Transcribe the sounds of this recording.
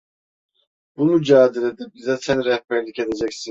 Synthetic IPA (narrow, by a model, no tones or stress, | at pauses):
bunud͡ʒaːd̪iɾed̪ibizɛsɛnɾɛhpɛɾlʲice̞d̪ed͡ʒɛcsi